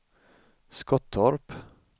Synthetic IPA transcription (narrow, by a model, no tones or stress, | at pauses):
skɔt̪ʰɔɾp